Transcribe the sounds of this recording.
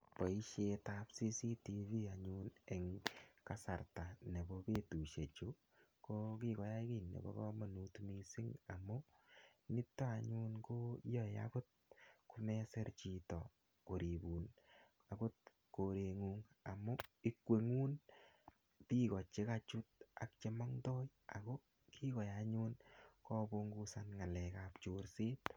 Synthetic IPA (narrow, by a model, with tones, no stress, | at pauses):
pɔ˨i˦ʃe˧tapsi˦si˦ti˧vi˦a˨ɲunɛ˨ŋka˦sa˨ɾta˨ne˨bɔ˧be˦tu˨ʃe˨t͡ʃu˦ | ko˦ki˦kɔ˨ja˦ki˦˨nːḛ˨bɔ̰˦kɔ̰˦ma˨nu˨tmi˨si˦ŋa˨mʊ˦ | nɪ˦tːa˦a˨ɲu˦nko˦jɔ˦ja̰kʊ˦t̚kʊ˦mɛ˦sɛ˦ɾt͡ʃi˨tɔ̰˨ | ko˨ɾi˨bu˨n | a˨kʊ˦t̚ | ko˨ɾe˨ŋu˨ŋa˨mʊ˦i˦kwe˨ŋu˦n | pi˦kɔ˨t͡ʃe˦ka˨t͡ʃu˦t̚a̰˨k̚t͡ʃe˦ma˦ŋtɔ˦j | a̰˨ko˦ | kʰi˦kɔ˨jaɲu˦nkɔ˦bo˦ŋɡu˦sa˨nŋa˨lɛ˨ka˨pt͡ʃoɾsie˦t